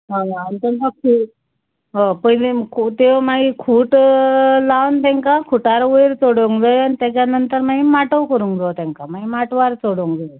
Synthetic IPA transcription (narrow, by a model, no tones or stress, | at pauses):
ɦaʋaːnit̪ɛ̃ŋkakʰu | ɦapəjlekʰut̪emaɡikʰuːʈlaʋnt̪ɛ̃ŋkakʰuʈaɾʋəjɾt͡soɽoŋɡd͡zəjanit̪ɛ̃t͡ɕjanənt̪əɾmaɡimaʈəʋkəɾuŋkd͡zat̪ɛ̃ŋkamaɡimaʈʋaɾt͡soɽəŋɡd͡zə